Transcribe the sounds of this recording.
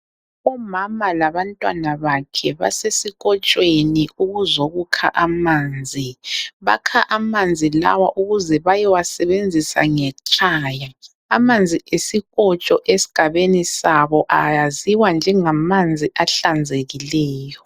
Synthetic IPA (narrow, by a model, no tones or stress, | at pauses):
ɔmamalaβantʼwa̰naβakʰɛβa̰sesiɣʼɔt͡ʃʼweniuɣuzoɣukʰa̰ʔamaːnd͡zʱiβa̰kʰaʔamand͡zʱila̰waʔuɣuzɛβajɛwasɛβend͡zʱisa̰ŋɛt͡ʃʼaːja | amand͡zʱiesiɣɔt͡ʃʼɔʔesi̥ɡ̥ʱaβenisaβɔʔajaziwand͡ʒʱɛŋamand͡zʱiʔaɬand͡zʱeɣilɛːjɔ